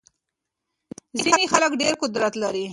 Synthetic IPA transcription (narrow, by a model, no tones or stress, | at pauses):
zinexaləkɖeɾqʊd̪ɾat̪laɾi